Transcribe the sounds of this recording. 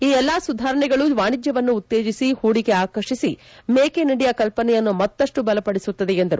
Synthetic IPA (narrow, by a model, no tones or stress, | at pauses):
iːɛlːasud̪ʱaːɾɐɳɛɡɐɭud̪ʋaːɳid͡ʒjɐʋɐnːuːt̪ːe̞ːd͡ʒisihuːɽiɡe̞aːkɐɾʂisi | meːkenɐɽɛjɐkɐlpɐnɛjɐnːumɐt̪ːɐʂʈubɐlɐpɐɽesut̪ːɐd̪eend̪ɐɾu